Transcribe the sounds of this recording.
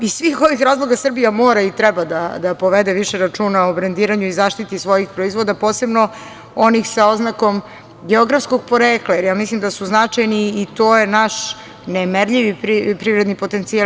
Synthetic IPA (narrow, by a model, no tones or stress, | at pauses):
isʋixo̞ʋixɾaːzlˠo̞ɡasr̩bijamoːɾait̪ɾɛbad̪ad̪apoʋed̪eʋiʃeɾat͡ʂuːnaobɾend̪iːɾaɲuizaʃt̪it̪isʋo̞jixpɾoizʋo̞d̪apoːse̞bno̞ | o̞nixsao̞znako̞m | ɡeoɡɾafskoɡ̚poɾeːklajeɾjaːmislimd̪asuznat͡ʂajniːt̪ojenaʃ | nemeɾʎiʋipɾipɾivɾed̪nipo̞t̪ent̪sia